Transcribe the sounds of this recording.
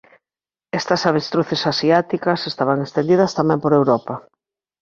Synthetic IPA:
ɛst̪ɐsaβest̪ɾuθesasiat̪ikɐsest̪aβaŋest̪ẽnd̪iðɐst̪amɛ̃mpoɾewɾɔpɐ

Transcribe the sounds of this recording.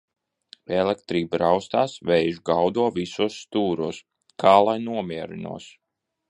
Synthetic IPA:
ɛlˠɛk̚t̪ɾiːbɾawst̪aːsvɛjʒɡawd̪uɔvisuɔsːt̪uːɾuɔs | kʰaːlˠajnuɔmiɛɾḭnṵɔs

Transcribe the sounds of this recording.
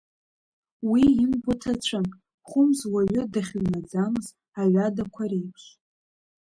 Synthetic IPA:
wiinbʷatʰat͡ɕʷʰan | χʷʊmzwaɥʊdaχʲnad͡zamɨz | aɥʷadakʷʰaɾejpʰʃ

